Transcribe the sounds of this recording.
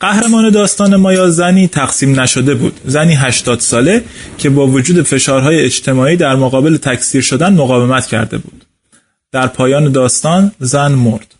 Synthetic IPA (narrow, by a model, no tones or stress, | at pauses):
ɢ̥æhɾe̞mɒːne̞d̪ɒːst̪ɒːne̞mɒːjɒːzæniːt̪ʰæɡsiːmnæʃo̞d̪e̞bṵːd̪̥zæniːɦæʃt̪ɒːd̪̥sɒːle̞cʰe̞bɒːvo̞d͡ʒuːd̪e̞fe̞ʃɒːɾɦɒːjeed͡ʒt̪ʰe̞mɒːiːd̪æɾmoɣɒːbe̞le̞t̪ʰæcʰsiːɾʃod̪ænmoɣɒːve̞mæt̪ʰcʰæ̰ɾd̪e̞̰bṵːd̪̥ | d̪̥æɾpʰɒːjɒːne̞d̪ɒːst̪ɒːnzænmoɾd̪̥